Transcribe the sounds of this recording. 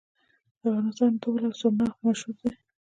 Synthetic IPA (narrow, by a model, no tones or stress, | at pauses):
afɣɑnɪst̪ɑnʈolasonamaʃuɾd̪e